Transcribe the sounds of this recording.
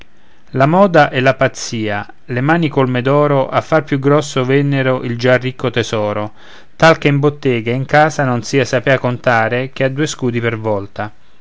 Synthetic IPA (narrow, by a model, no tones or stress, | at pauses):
lamɔːd̪aʔɛlapat̪sːiːa | lemaːnikolmed̪ɔːɾoʔafːarpjuɡɾɔsːovɛnːeɾoʔild͡ʒarikːot̪ɛzɔːɾo | t̪alk̟eimbot̪ːɛːɡaiŋkaːzanonsiːasapɛːakont̪aːɾek̟ead̪ːuːeskuːd̪ipervɔlt̪a